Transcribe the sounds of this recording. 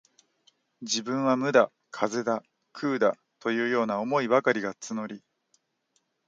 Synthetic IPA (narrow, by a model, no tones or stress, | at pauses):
d͡ʑibɯ̟̃ɰ̃βamɯ̟d̪a | kʰaze̞d̪a | kʰɯːd̪a | t̪o̞jɯ̟ːjo̞ːnaomo̞iβakaɾʲiɡat͡sɨno̞ɾʲi